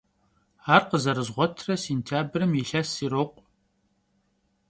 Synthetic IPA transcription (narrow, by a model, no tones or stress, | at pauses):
aːrqəzɐɾɨzʁʷɔtʰrɐseːntʰjaːbrɨmjiɬɐsiːɾoqʷʼ